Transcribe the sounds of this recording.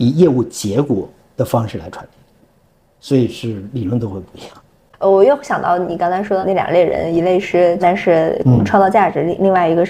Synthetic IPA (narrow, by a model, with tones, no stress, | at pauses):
i˨˩jɛ˥˧u˥˩t͡ɕjɛ˧˥kwɔ˨˩˦ | d̪̥ə˨fɑ˥ŋʂɻ̩˥˩la˧˥ɪʈ͡ʂʰwa˧˥nt̪i˥˩ | swɔ˧˥i˨˩ʂɻ̩˥˩li˨˩ɻwə˧˥nt̪o˥ʊxwe˥˩ɪpu˧˥i˧˥jɑ˥˩ŋ | ə˧˩wɔ˨˩jo˥˧ʊɕjɑ˨˩ŋt̪ɑ˥˩ʊni˨˩kɑ˥ŋt͡sʰɑ˥ɪʂwɔ˥d̪ə˧a˥˩j̰le˥˩ɻə̰˧˥ni˧˥le˥˧ɪʂɻ̩˥˩t̪a˥˧nʂɻ̩˥˧ʈ͡ʂʰwt̪ɑ˥˧ʊt͡ɕja˥˩ʈ͡ʂɻ̩˧˥˧li˥˧ŋwa˥˩ɪi˧˥ɡə˧